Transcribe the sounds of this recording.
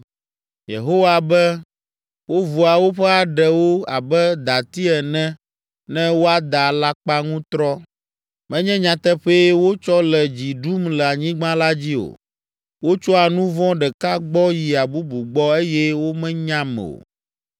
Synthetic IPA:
jḛ˨ɦo˦wa˨bɛ˦ | wo˦vu˨a˨wo˦ɸɛ˦a˨ɖɛ˨wo˦a˨bɛ˦d̪a˨t̪i˦ɛ˨nɛ̃˦ | nɛ̃˦wo˦a˦d̪a˨la˦k͡pa˦ŋũ˦t̪ɾɔ˦ | mɛ̃˦ɲɛ̃˦ɲã˨t̪ɛ˦ɸe˦wo˦t͡ʃɔ˦lɛ˨d͡ʑi˨ɖu˦mlɛ˨a˨ɲĩ˦ɡ͡bã˦la˦d͡ʑi˦o̰˨ | wo˦t͡ʃɔ˦a˨nũ˦vɔ̃˦ɖɛ˨ka˦ɡ͡bɔ˦ji˨a˨bu˦bu˨ɡ͡bɔ˦e˦jɛ˦wo˦mɛ̃˦ɲã˦mɛ̰̃˨o̰˨

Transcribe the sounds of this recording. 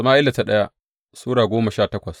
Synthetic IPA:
maː˦ʔɪ˦lːa˨ta˨ɗɐ˦ja˦ | suː˦ɽaː˨ɡʷoː˦mɐ˨ʃaː˦˨tɐ˦kʷɐ˨s

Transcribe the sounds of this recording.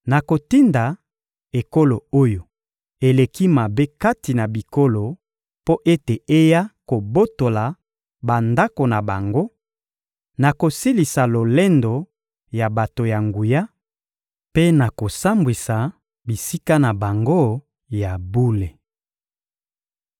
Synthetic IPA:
na˨ko˨ti˦nda˨ | e˨ko˦lo˨o˦jo˨ | e˨le˨ki˦ma˨be˦ka˦ti˨na˨bi˨ko˦lo˨ | po˦ʔe˦te˨e˦ja˦ko˨bo˦to˨la˨ | ba˨nda˦ko˨na˨ba˨ŋɡo˦ | na˨ko˨si˦li˨sa˨lo˨lɛ˦ndo˨ | ja˨ba˨to˨ja˨ŋɡu˨ja˦ | pe˦na˨ko˨sa˦mbwi˨sa˨ | bi˨si˦ka˦na˨ba˨ŋɡo˦ | ja˨bu˦le˨

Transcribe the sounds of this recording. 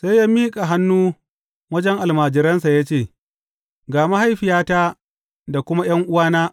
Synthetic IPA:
sa˦jːaː˦miː˦kʼa˨ɦa˦nːuː˦ | wɐ˦d͡ʒɛ˦ŋʔa˨lmaː˨d͡ʒɪ˨ɾɐ˦nsa˨ja˦t͡ʃeː˦˨ | ɡaː˨ma˦ha˦jɸɪ˨jaː˦taː˦ | da˨kʷʊ˦ma˦j̰ɐ˦ŋʔʊ˦waː˦naː˦

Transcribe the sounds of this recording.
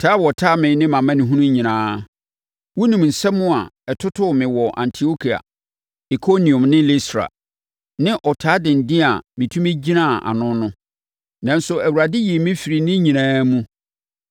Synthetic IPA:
tʰaː˦wɔ˨tʰa˦mɪ̃˨˦nɪ̃˦mã˨mã˦nĩ˨ɦũ˦nũ˦ɲĩ˨nãː˦ | wɔ˦nĩ˨m˨n̩˨sɛ˦mʊ̃˦a̰˨ɛ˨tʰʊ˦tʰʊ˦˨mɪ̃˨wɔ˨ʔã̰˨ntʰi˨o˦kʰi˨a̰˨ | i˨kʰo˦nĩ˨ɔ̃˨mnɪ̃˦li˦stɾa̰˨ | nɪ̃˦ʔɔ˨tʰaː˨˦dɪ̃˨n̩˨dɪ̃˦a̰˨mɪ̃˨tʰũ˦mĩ˦d͡ʑi˦nã˦˨a̰˨nʊ̃˦nʊ̃˦ | nã˨n˦sʊ˨æ˨wu˨ɾa˨dɪ˦ji˨mɪ̃˦fi˨ɾi˨nɪ̃˦ɲĩ˨nãː˦mũ˦

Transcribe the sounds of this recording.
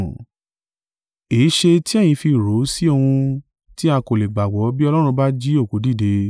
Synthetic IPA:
e˨˦ʃe˧ti˦ɛ˦˨j̃ĩ˧fi˧˨ɾo˨˦si˦o˧hũ˧ | ti˦a˧ko˨le˨ɡ͡ba˨ɡ͡bɔ˨˦bi˦ɔ˧lɔ˦ɾ̃ũ˧ba˦d͡ʒi˦o˦˨ko˨˦di˦˨de˧

